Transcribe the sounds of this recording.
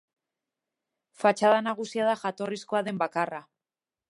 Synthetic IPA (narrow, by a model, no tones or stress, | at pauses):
fat͡ʃaðanaɣ̞usiaðaxat̪o̞risko̞aðe̞mbakara